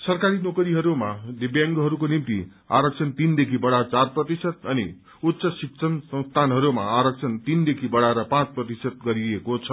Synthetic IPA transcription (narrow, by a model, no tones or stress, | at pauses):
sʌrkaɾinokʌɾiɦʌɾumad̪ebjaŋɡɦʌɾukonimt̪ḭ | a̰ɾʌk̚t͡sʰʌnt̪ind̪ekʰibʌɽat͡sarprʌt̪isʌt̪̚ʌnḭ | ut̪ːsʌsiksʰʌnsʌ̃ŋst̪ʰanɦʌɾuma̰aɾʌk̚t͡sʰʌnt̪ind̪ekʰibʌɽaeɾʌpãt͡sprʌt̪isʌt̪̚ɡʌɾiekot͡sʰʌ